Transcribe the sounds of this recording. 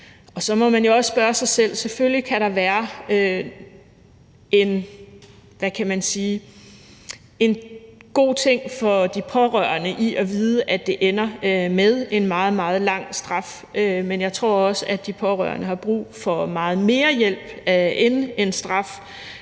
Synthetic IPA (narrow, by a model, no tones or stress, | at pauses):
ɒ̽sɒ̽mɒ̽mænjo̝ɒ̽sːb̥ɶɐsɑ̈ɪsel̰se̝føljikʰæɾɑ̈ʋæːɐø | e̝n | ʋækʰæmænsiː | e̝nɡ̥o̝̰ːt͡sʰe̝ŋ̰fɒ̽d̥ipʰɒ̽ʁœɐnəʔiʔɒʋiːð̞ˠəʔæd̥e̝ʔenɐmeðˠe̝nmɑ̈ːð̩ˠmɑ̈ːð̞̩ˠlɑ̈ŋ̰sd̥ʁɑ̈f | ømenjɑ̈ɪt͡sʰʁo̝ɐ̰ɒ̽səæd̥ipʰɒ̽ʁɶ̰ɐnəhɑ̈b̥ʁṵːfɒ̽mɑ̈ːð̞̩ˠme̝ːɐjel̰b̥enensd̥ʁɑ̈f